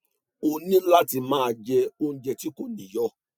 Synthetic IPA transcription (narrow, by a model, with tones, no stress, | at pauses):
o˧nĩ˦n̩˦la˦ti˧˨mãː˦a˧d͡ʒɛ˧o˧ñ̩˨d͡ʒɛ˧ti˨˦ko˦˨nĩ˨jɔ˧